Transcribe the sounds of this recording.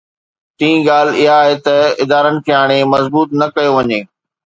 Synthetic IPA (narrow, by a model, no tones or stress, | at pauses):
t̪ĩːĩɡaːl̤ɪɦaːɦet̪ɐɪd̪aːɾənɪ̆kʰeːaːɽ̃emɐzbuːt̪nɐkɐjoʋɐɲeː